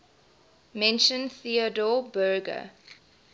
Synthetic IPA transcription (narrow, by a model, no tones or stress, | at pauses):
mɛ̃nʃə̃nθiədɔbɜːɡə̰